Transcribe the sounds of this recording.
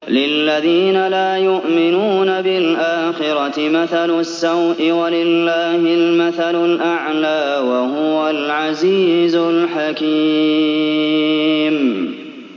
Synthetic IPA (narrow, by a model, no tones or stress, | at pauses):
lɪlːaðiːnalaːjʊʔmɪnuːnabɪlʔaːxɪɾˤɑɪmaθalʊsːawʔɪwalɪlːaːhɪlmaθalʊlʔaʕlaːwahʊwalʕaziːzʊlħakiː | m